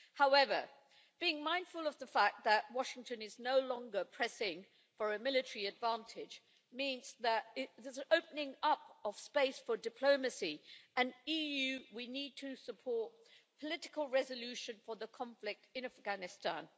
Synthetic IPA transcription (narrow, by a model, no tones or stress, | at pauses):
haʊɛvə˞ | b̥iɪ̃ŋmãɪ̃nd̥fəlˠʌvðəfæk̚ðəʔ̚wɑʃɪ̃ŋtɨ̃nɨznoʊlɔ̃ŋɡə˞pʰɹ̥ɛsɪ̃ŋ | fə˞ɨmɪlˠɨtəɹiɨdvæ̃ntʰɪ̥d͡ʒ | mĩnzðəɾɪðə˞zoʊpənɪ̃ŋʌpəv̥speɪsfə˞dɨpʰl̥oʊmɨsiɨ̃nijʉwinid̚tʰɨsəpʰɔɹt̚pʰəlɪɾɨkəlˠɹɛzəlʉʃɨ̃nfə˞ðəkʰɑ̃ɱflɪk̚tɨ̃næfɡ̥ænɨstæ̰̃n